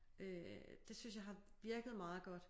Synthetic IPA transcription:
ʔød̥e̝synsjɑ̈ɪɦɑ̈ʋiɐɡ̥ð̩ˠmɑ̈ːð̩ˠɡ̥ɒ̽d̥

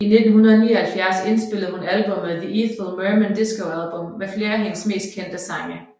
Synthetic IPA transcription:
ine̝d̥n̩hunɐðˠniːɐhælfjæɐse̝nsb̥e̝l̰ð̩ˠhunælb̥ɔ̽məðiiːθl̩ˠmøːmænd̥e̝sɡ̥oʊælb̥ɔ̽mːefle̝ːɐæɦe̝nəsme̝̰ːsd̥̚kʰen̰d̥əsɑ̈ŋ̰ə

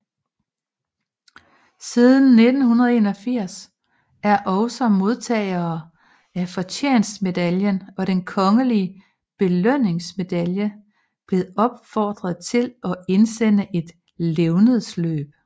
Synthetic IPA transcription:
siðˠn̩ːe̝d̥n̩hunɐð̞ˠe̝̰ːnɒ̽fiɐ̰s | æɐʔɒ̽ʊsɒ̽mo̝ð̞ˠt͡sʰɛ̰ːɪɐː | æfɒ̽t͡ɕʰḛːnsme̝d̥æljənɒ̽ɾ̥enkʰɒ̽ŋəliə | b̥e̝løn̰e̝ŋsme̝d̥æljə | b̥le̝ːð̩ˠɒ̽b̥fɒ̰ːd̥ʁɐðˠt͡sʰe̝lɒ̽e̝nsen̰əʔe̝d̥ | leʊnəð̩ˠslø̰ːb̥̚

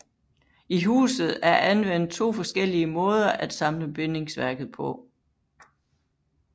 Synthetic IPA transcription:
iɦṵːsð̩ˠæɐʔænʋen̰d̥̚t͡sʰo̝̰ːfɒ̽sɡ̥el̰iəmɔ̽ːð̞ˠɐʔæd̥sɑ̈mləb̥ene̝ŋsʋæɐɡ̥ð̩ˠpʰɒ̽

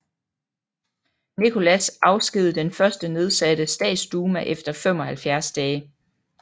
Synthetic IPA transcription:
nikʰo̝læsʔɑ̈ʊsɡ̥ið̩ˠd̥enfɶɐsd̥əne̝ð̞ˠsæd̥əsd̥ɛ̰̥ːsd̥uːmæʔefd̥ɐfem̰ɒ̽hælfjæɐsd̥ɛː

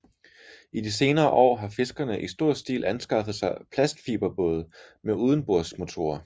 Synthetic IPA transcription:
id̥ise̝ːnɐːʔɒ̰ːɦɑ̈fe̝sɡ̥ɐnəʔisd̥o̝ɐ̰sd̥ḭːlʔænsɡ̥ɑ̈fəð̞̩ˠsɑ̈ɪpʰlæsɡ̥fiːb̥ɐb̥ɔːð̩ˠmeuːð̞ˠn̩b̥oɐ̰̥smo̝t͡sʰo̝̰ːɐ

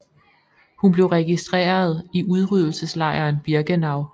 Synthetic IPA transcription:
hunb̥le̝ʊʁɛɡ̥isd̥ʁḛːɐð̞̩ˠiʔuð̞ˠʁyðˠl̩səslɑ̈ɪɐːnb̥iɐɡ̥ənɑ̈ʊ̰

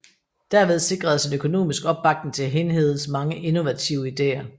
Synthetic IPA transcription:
d̥æɐʋe̝ð̞ˠse̝ɡ̥ʁɐð̩ˠsenøkʰo̝no̝̰ːmisɡ̥ɒ̽b̥ːɑ̈ɡ̥dneŋt͡sʰe̝ɦe̝nɦe̝ð̰ˠsmɑ̈ŋəʔeno̝ʋæt͡sʰiʊəid̥e̝̰ːɐ

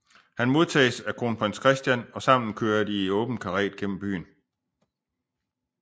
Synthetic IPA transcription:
hænmo̝ð̞ˠt͡sʰɛ̰ːsækʰo̝ːnpʰʁenskʰʁɛsd̥jænɒ̽sɑ̈m̰n̩kʰøːɐd̥iɔ̽ːb̥n̩kʰɑ̈ʁɛ̰ːd̥̚ɡ̥en̰m̩b̥y̰ːn

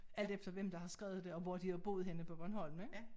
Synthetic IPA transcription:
æl̰d̥efd̥ɐʋem̰d̥ɑ̈hɑ̈sɡ̥ʁɛ̰ːʊð̞̩ˠd̥e̝ɒ̽ʋɒd̥ihɑb̥o̝̰ːð̩ˠɦenəpʰɒ̽b̥ɶnɦɒ̽l̰mn̩eɡ̥

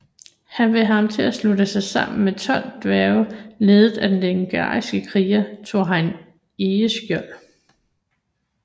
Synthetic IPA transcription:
hænʋe̝ɑ̈mt͡sʰe̝æsludəsɑ̈ɪsɑ̈m̰n̩met͡sʰɒ̽l̰d̥ʋæːʊle̝ːðˠð̩ˠæd̥enleŋɡ̥ɑ̰̈ːisɡ̥əkʰʁiːɐt͡sʰo̝̰ɦæn | eːəsɡ̥jœl

